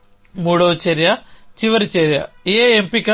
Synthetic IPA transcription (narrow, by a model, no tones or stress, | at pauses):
muːɽoːt͡ɕeɾjɐt͡ɕiʋɐɾit͡ɕeɾjɐ̰ieempikːɐ